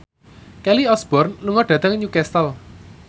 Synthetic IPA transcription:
kɛliɔsb̥ɔ̤rnluŋɔɖ̥ä̤d̪̥əŋɲukɛst̪əl

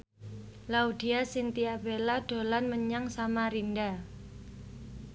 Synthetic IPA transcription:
laud̪̥iasint̪iabelaɖ̥o̤lanməɲaŋsamaɾinda

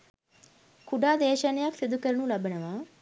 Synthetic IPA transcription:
kʰuɖaːd̪eːɕanjaksid̪ukəɾɳũːlɐbəɳɐʋaː

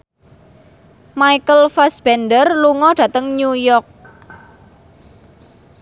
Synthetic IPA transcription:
maikəlfasb̥ɛndərluŋɔɖ̥ä̤t̪əŋɲujɔk̚

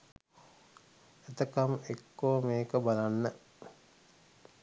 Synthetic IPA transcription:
et̪əkamekːoːmeːkəbalanːə

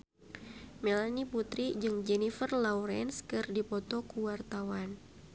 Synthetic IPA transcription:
melaniput̪ɾid͡ʒɨŋd͡ʒɛnifərlauɾɛnskɨrdipɔt̪ɔkuwart̪awan

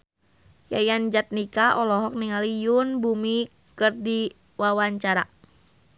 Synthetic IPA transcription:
jajand͡ʒat̪̚nikaʔɔlɔɦɔk̚niŋalijunbumi | kɨrdi | wawaɲt͡ʃaɾa̰

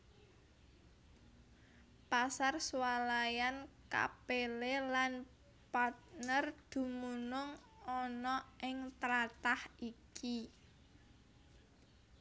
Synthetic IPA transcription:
pasarswalajanka̰pelelan | pat̪̚nərd̪̥ṳmunʊŋ | ɔnɔʔɪŋt̪ɾat̪ahiki

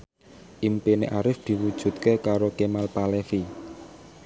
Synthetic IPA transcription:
ʔimpeneʔaɾɪfd̪̥i̤wud̥ʒ̥ṳt̪̚kekaɾokemalpalefi

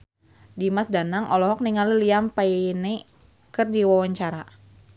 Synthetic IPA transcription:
dimasdanaŋʔɔlɔɦɔk̚niŋaliliampajeine | kɨrdiwawaɲt͡ʃaɾa

